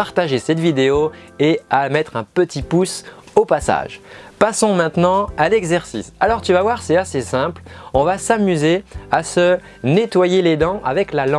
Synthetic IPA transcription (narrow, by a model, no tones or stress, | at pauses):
aʁt̪aʒesɛt̪vid̪eoeamɛt̪χɛ̃pət̪ʰipus | opasa̰ʒpasɔ̃mɛ̃t̪nɑ̃alɛɡzɛʁsḭsalɔʁt̪yvavwaʁsɛt̪asesɛ̃plɔ̃vasamyzeasə | net̪wajeled̪ɑ̃ʔa̰vɛklalɑ̃